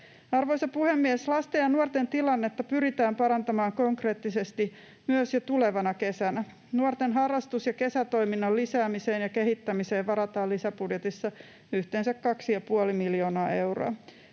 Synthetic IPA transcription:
ɑrʋo̞jsɑpuhemːieslɑst̪ejɑnuort̪ent̪ilɑnːe̞t̪ːɑpyɾit̪æːmpɑɾɑnt̪ɑmɑːŋkoŋkre̞ːt̪ːisest̪i | myøsjɑt̪ule̞ʋɑnɑke̞sænæ | nuort̪enɦɑrːɑst̪usjɑke̞sæt̪o̞iminːɑllisæːmiseːnjɑkeɦit̪ːæmise̞ːʋɑɾɑt̪ɑːlisæpudjet̪isːɑ | yht̪eːnsækkɑksijɑpuolimiljo̞ːnɑːe̞wro̰ɑ

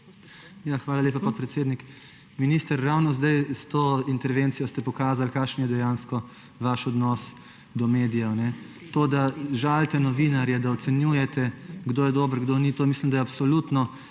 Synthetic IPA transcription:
jaxʋaːlaleːpapapɾɛt̪seːd̪nik | miniːst̪əɾːawnɔzd̪ajst̪oːint̪ɛɾʋeːnt̪sijɔst̪ɛpɔkaːzalkaːʃnjɛd̪ɛjanskɔ | ʋaʃɔd̪nɔs | d̪ɔmeːd̪ijɛnɛ | t̪oːd̪aʒalt̪ɛnɔʋinaɾjɛd̪aɔt̪sɛnjuːjɛt̪ɛɡd̪oːjɛd̪oːbəɾɡd̪onit̪oːmiːslimd̪ajapsɔlut̪nɔ

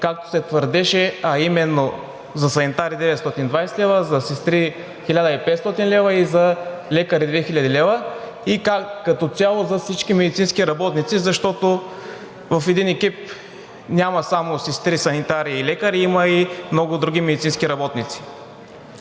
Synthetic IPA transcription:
kak̚t̪o̥sɛt̪vəɾd̪ɛʃɛɐimɛnːo | zɐsɐnit̪aɾid̪ɛvɛt̪st̪ɔt̪ind̪vajsɛlɛvəzɐsist̪ɾi | xilʲad̪əipɛt̪st̪ɔt̪inlɛvɐizɐlɛkəɾid̪vɛxilʲad̪ilɛvə | ikakɐt̪ot̪sʲjalˠozɐfsit͡ʃkimɛd̪it̪sinskiɾɐbɔt̪nit̪sizɐʃt̪ɔt̪o | vɐfɛd̪inɛkip̚ | nʲamɐsamosist̪ɾisɐnit̪aɾiːlɛkəɾiimɐimnɔɡʊd̪ɾuɡ̟imɛd̪it̪sinskiɾɐbɔt̪nit̪si̥

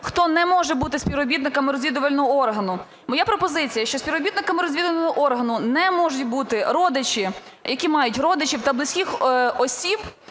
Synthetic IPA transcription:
xt̪ɔnɛmɔʒɛbut̪ɪsʲpʲiwɔbʲid̪nɪkɐmɪɾɔzʲʋʲid̪ʊʋɐlʲnɔɦɔɔrɦɐnʊ | mɔjapɾɔpɔzɪt͡sʲijɐʃt͡ʃɔsʲpʲiʋwɔbʲid̪nɪkɐmɪɾɔzʲʋʲid̪ʊʋɐnɔɦɔʔɔrɦɐnʊnɛmɔʒʊtʲbut̪ɪɾɔd̪ɪt͡ʃi | jɐkʲimɑjʊtʲrɔd̪ɪt͡ʃʲiwt̪ɐblˠɪsʲkʲixɔsʲib

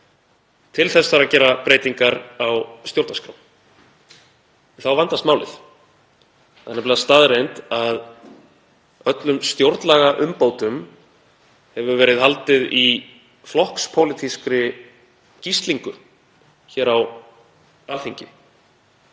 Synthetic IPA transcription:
t̪ʰɪlθɛsːaɾacɛːɾapɾeːjt̪iŋkaɾawst̪jowɾt̪naskɾawn | θawvant̪ast̪maːwlɪ̰θ | θanɛplast̪aːðɾejnt̪að | œt̪lʏmst̪jowɾt̪nlaɣaʔʏmpoːwt̪ʏm | hɛvʏvɛːɾɪðɦalt̪ɪði | flɔhkspʰowlɪt̪ʰiskɾɪ | cist̪liŋkʏ | çɛːɾaw | alθiɲcɪ̰

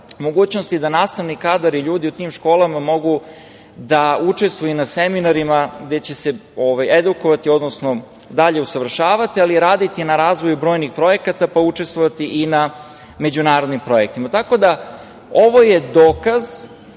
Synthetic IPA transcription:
mo̞ɡuːt͡ɕnost̪id̪anaːst̪aʋnikad̪aɾiʎuːd̪iut̪iːmʃko̞ːlamamo̞ɡu | d̪aut͡ʂe̞st̪ʋujunaseminaɾimaɡd̪e̞t͡ɕe̞seoʋajed̪uko̞ʋat̪io̞d̪nosno̞ | d̪aʎe̞usaʋr̩ʃaːʋat̪ialiɾaːd̪it̪inaɾaːzʋojubɾo̞ːjnixpɾo̞je̞kat̪apaut͡ʂe̞st̪vʋo̞ʋat̪iʔina | me̞d͡ʑunaːɾo̞d̪nimpɾo̞jek̚t̪imat̪ako̞d̪a | o̞ʋo̞je̞d̪oːkaz

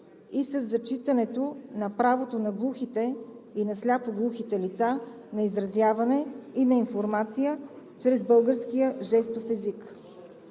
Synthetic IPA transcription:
isɐzːɐt͡ʃit̪ənɛt̪onɐpɾavot̪onɐɡlˠuxit̪ɛinɐslʲapoɡlˠuxit̪ɛlit̪sa | nɐizɾɐzjavɐnɛinɐinfoɾmat̪sijə | t͡ʃɾɛzbɤlˠɡəɾskijəʒɛst̪ofɛzik

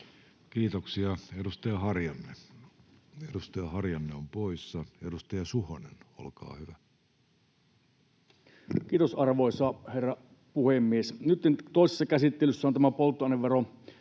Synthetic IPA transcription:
kiːt̪oksiɑedust̪ɑjɑhɑrjɑnːe | edust̪ɑjɑhɑrjɑnːeompoisːɑedust̪ɑjɑsuhonḛno̰lkɑ̰ːhyʋæ | kiːt̪osɑrʋoˑisɑherːɑ | puhemːiesnyt̪ːent̪oˑisesːɑkæsit̪ːelysːæont̪æmæpolt̪ːˑoɑˑneʋʋero

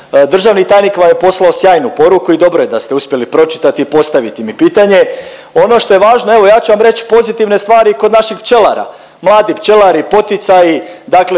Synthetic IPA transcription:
d̪r̩ʒaʋnit̪aːjnikʋamjepo̞slˠaosjaːjnupo̞ɾukuid̪o̞bɾoje̞d̪ast̪e̞uspje̞lipɾo̞t͡ʃi̥t̪at̪iːpo̞st̪aʋit̪imipiːt̪aɲe̞ | o̞no̞ʃt̪o̞je̞ʋaːʒnoe̞ʋo̞jaːt͡ɕuʋamɾet͡ɕpo̞zit̪iʋne̞st̪ʋaːɾiko̞d̪naʃixpt͡ʃe̞laɾa̰ | mlˠaːd̪ipt͡ʃe̞laɾipo̞t̪it̪sajid̪akle

